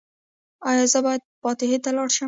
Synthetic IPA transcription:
ɑjɑzəbɑjad̪̚pɑt̪ɪɦet̪alɑɽʃə

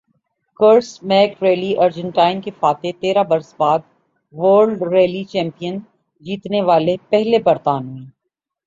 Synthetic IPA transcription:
kəɾsmɛːkɾeːliʔɐɾd͡ʒə̃ɳʈaːɪnkefaːt̪et̪eːɾabɐɾsbaːd̪ | ʋəːɾɖɾeːlit͡ʃɛ̃ːmpijən | d͡ʒiːt̪neʋaːlepɛɦlebɐɾt̪aːnɦuĩː

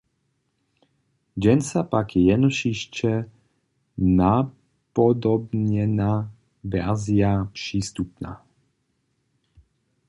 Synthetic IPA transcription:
d͡ʒɛnsapakjɛjɛnɔʃiʃt͡ʃɛ | na | pɔd̪ɔbɲɛna | ʋɛ̰ɾziapʂiːst̪upna̰ː

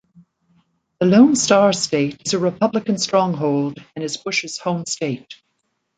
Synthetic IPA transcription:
ðəlõʊ̃nstɑɹsteɪɾɨzɨɹɨpʰʌblɨkɨ̃nstɹ̥ɔ̃ŋɦoʊlˠdɨ̃nɨzbʊʃɨz̥hõʊ̃msteɪt̚

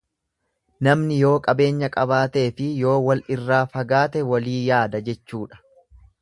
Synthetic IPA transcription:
nɐmnɪjo̞ːkʼɐbe̞ːɲːɐkʼɐbaːt̪e̞ːfɪjo̞ːwɐlʔɪrːaːfɐɡaːt̪ɛwɐliːjaːd̪ɐd͡ʒɛt͡ʃːuːᶑɐ̥

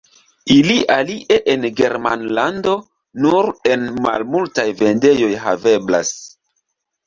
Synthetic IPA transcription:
iliʔaliʔe̞ʔenɡe̞ɾmanlando̞ | nuɾe̞nma̰lmultajve̞nde̞jo̞jɦa̰ve̞bla̰s

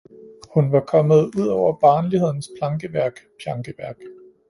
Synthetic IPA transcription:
hunʋɑ̈kʰɒ̽mð̞̩ˠuð̞̰ˠɒʊ̰ɐb̥ɑ̈ːnlihe̝ð̞̰ˠn̩spʰlɑ̈ŋɡ̥əʋæɐɡ̥pʰjɑ̈ŋɡ̥əʋæɐɡ̥

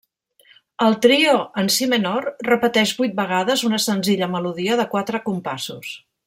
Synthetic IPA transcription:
əlˠt̪ɾioənsimenɔrrəpət̪ɛʒbujt̪̚bəɣ̞aðəzunəsənziʎəməluðiəðəkwat̪ɾəkumpasus

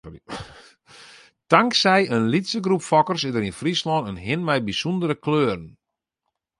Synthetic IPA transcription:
taŋksɛjənlitsəɡrupfɔkərsɪdəɾinfrislɔnənɦɪnmɛjbisundəɾəkløːrən̩

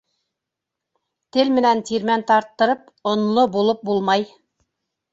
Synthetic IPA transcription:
t̪ɘlmɘ̆nænt̪iɾmænt̪ɑɾt̪ːɤ̆ɾɤp | ŏnlˠobulˠɤp̚bulˠmɑj

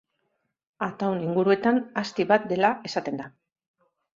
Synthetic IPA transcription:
at̪awniŋɡuɾue̞t̪anast̪iβat̪̚d̪e̞lae̞sat̪e̞nd̪a

